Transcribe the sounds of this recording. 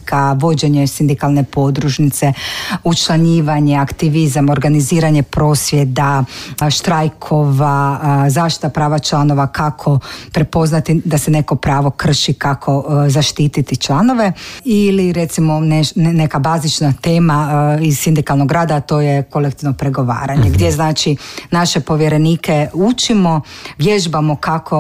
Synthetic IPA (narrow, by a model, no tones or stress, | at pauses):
kʰaʋo̞d͡ʑe̞ɲesind̪ikalˠne̞po̞d̪ɾuʃnit̪seut͡ʃlˠaɲiːʋaɲeakt̪iʋizamo̞ɾɡaniziːɾaɲe̞pɾo̞ːsʋjed̪aʃt̪ɾajkʰoʋazaʃt̪i̥t̪apɾaːʋat͡ʃlˠano̞ʋakʰakʰo̞pɾepo̞znat̪id̪asene̞ko̞pɾaːʋo̞kr̩ʃikakʰo̞zaʃt̪iːt̪it̪it͡ʃlˠano̞ʋe̞iliɾet̪simo̞nenekabaːzit͡ʃnat̪eːmaizsind̪ikalˠnoɡɾaːd̪aːt̪o̞ːjeko̞lekt̪iʋnopɾeɡo̞ʋa̰ːɾaɲeɡd̪jeznaːt͡ʃinaʃe̞po̞ʋjeɾe̞niːke̞ut͡ʃimo̞ʋjeʒbamo̞kakʰo